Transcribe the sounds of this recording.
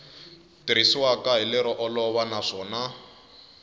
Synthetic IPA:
tiɾisiwakaɦilɛɾɔʔɔlɔβanaʂɔːna

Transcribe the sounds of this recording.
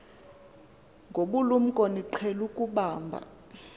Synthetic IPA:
ŋɡʱoɓulum̩kʼoniǃʰɛlukʼuɓaːmbʱa̰

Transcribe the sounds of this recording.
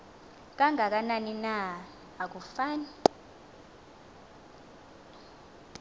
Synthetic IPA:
k̬aŋʱak̬ananinaː | k̬ufaːni

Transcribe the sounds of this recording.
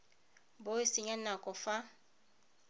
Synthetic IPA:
boɪsɪɲanakʼɔfa

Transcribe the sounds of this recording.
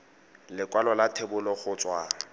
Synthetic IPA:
lɪkʼwalɔlatʰebʊlɔχʊt͡sʼwa

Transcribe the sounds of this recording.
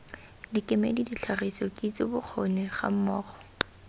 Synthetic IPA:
dikʼɪmḛlidit͡ɬʰarisɔkʼit͡sʼɪbʊk͡xʰonɪχa̰m̩mɔːχɔ̥

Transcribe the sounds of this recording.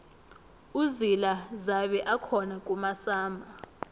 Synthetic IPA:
uzilazaɓɛʔakʰɔnak̬ʼumasaːmʱa

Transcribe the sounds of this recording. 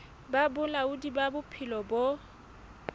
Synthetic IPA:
babʊlaʊdibabʊpʰɪlɔbo

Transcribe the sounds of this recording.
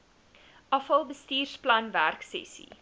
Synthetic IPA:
ʔɐfɐlˠbəstiːrsplɐnværksɛ̰sḭ

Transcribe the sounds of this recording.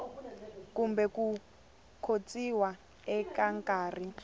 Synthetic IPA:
kumbɛku | kʰot͡sʼiwa | ɛkaŋkʼaːri

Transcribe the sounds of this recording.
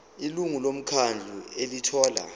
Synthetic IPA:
iluŋulom̩kʰand͡ɮʱuelitʰɔːla̰

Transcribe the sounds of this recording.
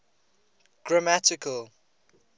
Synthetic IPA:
ɡ̥ɹamatɪkʰəl

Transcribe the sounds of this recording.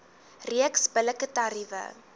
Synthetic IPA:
riəksbələkətaɾivə̰

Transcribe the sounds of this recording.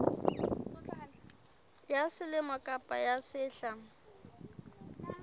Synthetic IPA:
jasɪlɪmɔkʼapʼajasɪːɬa

